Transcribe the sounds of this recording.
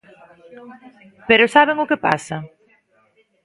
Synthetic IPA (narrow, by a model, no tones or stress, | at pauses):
peɾʊsaβeŋʊkɪpa̰sɐ